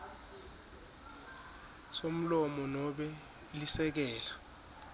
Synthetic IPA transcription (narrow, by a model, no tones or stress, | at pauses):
som̩lɔmɔnɔɓɛ | lisɛk̬ɛːla